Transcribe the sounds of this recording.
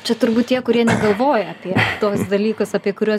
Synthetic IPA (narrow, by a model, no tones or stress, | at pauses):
t͡ʃʲɛt̪ʊɾbuːt̪t̪ʲiɛkʊɾʲiɛnʲɛɡɐlˠʋoːjɛɐpʲiɛt̪oːɔsd̪ɐlʲiːkosɑpʲiɛkʊɾʲuːs